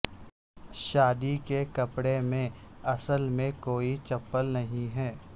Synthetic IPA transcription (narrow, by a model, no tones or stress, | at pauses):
ʃaːd̪ikekɐpɽemẽɐsəlmẽkoːit͡ʃɐpːəlnɐɦĩɦɛː